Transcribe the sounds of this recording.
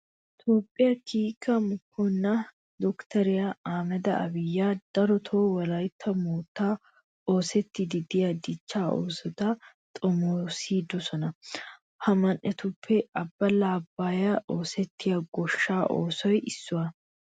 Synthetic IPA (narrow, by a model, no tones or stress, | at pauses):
ɪt̪oːpʼːɪjɐkiːkːɐmʊkʰːɔnːɐ | d̪ɔkt̪ɐɾɪjɐaːmɛd̪ɐɐ̰bɪjːaːd̪̥ɐɾɔt̪ʰoːwɐlɐjt̪ʰːɐmuːt̪ːaː | o̞ːsɛt̪ːɪd̪ɪd̪ɪjɐd̪ɪt͡ʃːaːʔoːsɔt̪ɐ | t̪ʼɔmoːsiːd̪ɔsɔnɐ | hɐmɐnʔɛt̪ʊpʰːɛɐbːɐlaːbːaːjɐʔo̞ːsɛt̪ːɪjɐɡɔʃːaːʔo̰ːsɔjɪsːʊɐ